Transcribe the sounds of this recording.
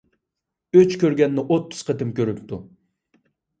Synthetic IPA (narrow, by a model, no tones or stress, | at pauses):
øt͡ʃkʲøɾɡʲɛnːɪʔot̪ʰːʊ̥z̥qʰət̪ɪmkʲøɾypt̪ʰu